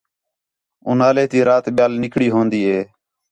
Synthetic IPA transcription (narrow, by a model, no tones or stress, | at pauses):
ʊ̰naːleːt̪iːɾaːt̪ɓɪjaːlnɪkɽiːɦõːnd̪iːɦeː